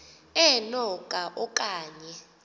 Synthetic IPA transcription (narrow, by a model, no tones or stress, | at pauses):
ɛnɔkʼaʔɔkʼaːɲɛ